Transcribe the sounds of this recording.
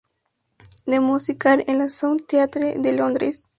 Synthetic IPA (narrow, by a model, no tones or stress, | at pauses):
d̪emusikaɾenlasowt̪eat̪ɾed̪elond̪ɾes